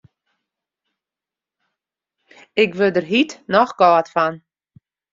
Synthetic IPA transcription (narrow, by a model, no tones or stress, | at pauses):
ɪkʋəlˠdərɦitnɔχɡɔːtfan